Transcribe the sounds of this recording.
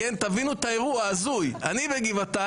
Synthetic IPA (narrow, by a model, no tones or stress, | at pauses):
ent̪avinuet̪ae̞ʁuaazuja̰nibeɡivat̪a